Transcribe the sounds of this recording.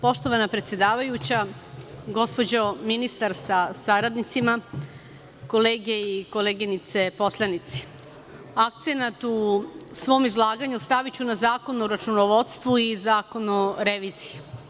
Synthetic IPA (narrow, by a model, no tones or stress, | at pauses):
po̞ʃt̪o̞ʋanapɾet̪sjed̪aːʋajut͡ɕa | ɡo̞spo̞d͡ʑo̞minist̪aɾsasaɾad̪nit̪sima | ko̞leːɡe̞iko̞leːɡinit̪se̞po̞slˠanit̪si̥ | ak̚t̪senat̪usʋo̞ːmizlˠaːɡaɲust̪aʋit͡ɕunazaːko̞noɾat͡ʃunoʋot̪st̪ʋuizaːko̞noɾe̞ʋiːzije